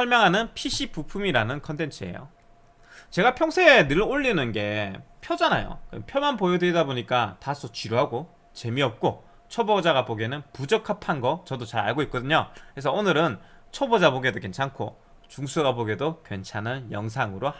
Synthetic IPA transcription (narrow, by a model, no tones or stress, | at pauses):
sʰʌɭmjʌŋɦanɯnpʰiɕʰipupʰumiɾanɯnkʰʌntʰe̞nt͡ɕʰɯe̞jo̰ | t͡ɕe̞ɡapʰjʌŋsʰeːnɯɭoʎːinɯnɡe̞pʰjʌd͡ʑanajo̰kɯpʰjomanpojʌdeɾidaboɲik͈atas͈ʰot͡ɕiɾuɦaɡo | t͡ɕe̞miʌp̚k͈o | t͡ɕʰobod͡ʑaɡaboɡenɯnpud͡ʑʌkʰapʰanɡʌt͡ɕʌdot͡ɕaɾa̰ɭɡoik͈̚ʌdɯɲokɾes̬ʰʌonɯɾɯnt͡ɕʰʌbod͡ʑaboɡe̞doke̞nt͡ɕʰaŋkʰo̰ | t͡ɕuŋsʰuɡaboɡedokwe̞nt͡ɕʰanɯnjʌŋsʰaŋɯɾo